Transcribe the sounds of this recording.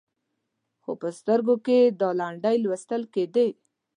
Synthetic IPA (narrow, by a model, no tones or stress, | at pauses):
xo̰pəst̪əɾɡoked̪ɑlaɳɖəjlwɪst̪əlked̪e